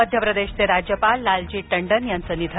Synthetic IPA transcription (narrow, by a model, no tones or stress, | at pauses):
əd̪ʱjəpɾəd̪eɕt͡seɾad͡ʑjəpalːald͡ʑiːʈəɳɖənjant͡sənid̪ʱ